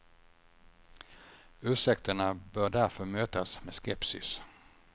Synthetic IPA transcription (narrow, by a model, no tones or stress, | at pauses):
ʉ̟ːʂɛk̚t̪əɳabœːɖæɾfœɾmøːt̪asmeɛːskɛpsɪ̰s